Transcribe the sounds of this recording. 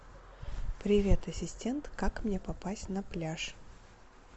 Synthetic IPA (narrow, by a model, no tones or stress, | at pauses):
pɾʲɪvʲe̞t̪ɐsʲɪsʲtʲe̞nt̪kakmnʲepɐpasʲtʲnɐplʲaʂ